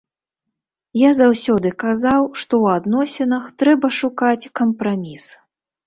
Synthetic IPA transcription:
jazawsʲɔd̪ɨkazawʂt̪ɔwad̪nɔsʲɛnɐxt̪ɾɛbɐʂukat͡sʲkɐmpɾamʲis

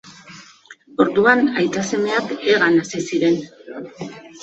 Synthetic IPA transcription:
o̞ɾðuanajt̪ase̞me̞akeɣanasisiɾe̞n

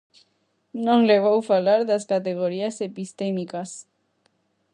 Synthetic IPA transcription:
nõŋleɣ̞owfalaɾðaskat̪eɣ̞oɾiasepist̪emikas

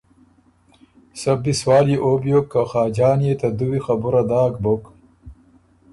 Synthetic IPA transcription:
sɐb̚d̪iswaːljeʔobjokːaxaːd͡ʑaːnjet̪ɐd̪uwixɐbuɾad̪aːkbok

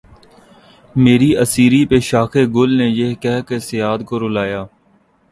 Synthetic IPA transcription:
meːɾiəsiːɾipeʃaːxeɡʊlnejeɦkɛɦkesɪjaːd̪koɾʊlaːjaː

